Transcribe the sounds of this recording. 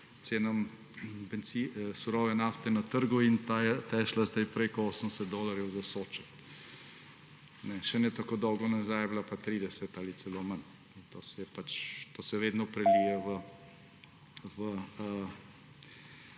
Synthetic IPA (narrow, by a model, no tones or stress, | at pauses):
t̪seːnam | pɛnsisuɾɔːʋɛnaːft̪ɛnat̪əɾɡuint̪ajɛt̪ɛʃlazd̪ajpɾekɔoːsənsɛt̪̚d̪oːlaɾjɛwzasoːt͡ʃɛt̪ | nɛʃɛnjɛt̪akoːd̪ɔwɡɔnazajɛblapat̪ɾiːd̪ɛsɛt̪alisɛloːman | int̪oːsɛjɛpat͡ʃt̪oːsɛjɛʋeːd̪nɔpɾɛliːjɛʋə | ʋə